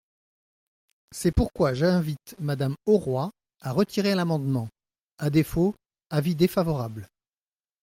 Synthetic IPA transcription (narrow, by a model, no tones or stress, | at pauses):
sɛpuʁkwaʒɛ̃vit̪mad̪amɔʁwa | aʁət̪ʰiʁeɛ̃lamɑ̃d̪mɑ̃ | ad̪efo | avid̪efavɔʁabl